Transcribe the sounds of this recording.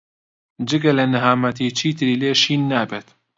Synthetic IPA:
d͡ʒɨɡɐlɐnɨɦaːmɐt̪it͡ʃʰiːt̪ʰɨɾiːleːʃiːnːaːbeːt̪

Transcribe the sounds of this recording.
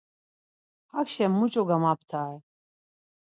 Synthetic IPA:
hakʃɛmːut͡ʃʼɔɡamap̚ʰt̪ʰaɛ

